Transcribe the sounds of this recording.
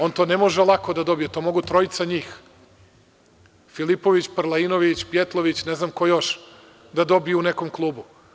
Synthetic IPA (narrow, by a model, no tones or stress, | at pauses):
o̞nt̪o̞ːnemo̞ʒelˠako̞d̪ad̪o̞bijet̪oːmo̞ɡut̪ɾo̞it̪saɲiːx | filipoʋit͡ɕpɾlˠaino̞ʋit͡ɕpjet̪lˠo̞ʋit͡ɕneznamkojo̞ʃ | d̪ad̪o̞bijuune̞komklˠuːbu